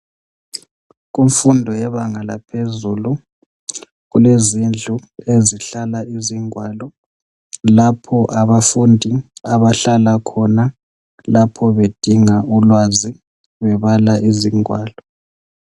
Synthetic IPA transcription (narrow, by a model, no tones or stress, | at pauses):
ɣuɱfundʱɔjɛβaŋala̰pʰezulu | ɣulezind͡ɮʱueziɬalaiziŋwaːlɔ | lapʰɔʔaβafundʱiaβaɬalakʰɔna | lapʰɔβed̥ʱiŋaulwazi | βɛβalaʔiziŋwaːlɔ